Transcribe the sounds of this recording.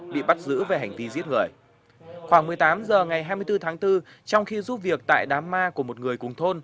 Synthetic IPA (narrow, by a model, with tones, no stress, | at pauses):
ɓḭ˧˨ɓa˦˥t̚zɨ̰˧˥ve˨˩ɦa˨˩jŋ̟t̪i˧zi˦˥ət̚ŋɨ˨˩əj | xwaː˧˩ŋmɨ˨˩əjt̪aː˨˦mzəː˨˩ŋa˨˩jɦaː˧jmɨ˧əjt̪ɨ˧t̪ʰaː˨˦ŋt̪ɨ˧ | t͡ɕɔ˧wŋ͡mxi˧zu˦˥p̚vi˨˩ək̚t̪a̰ː˧˨jɗaː˨˦mːaː˧ku˧˩əmo˨˩t̚ŋɨ˨˩əjkʊ˨˩ŋ͡mt̪ʰo˧n